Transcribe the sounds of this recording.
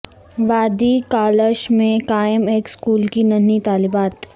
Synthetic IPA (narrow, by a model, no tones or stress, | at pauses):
ʋaːd̪ikaːləʃmẽkaːəmeːkskuːlkinɐnit̪aːlɪbaːt̪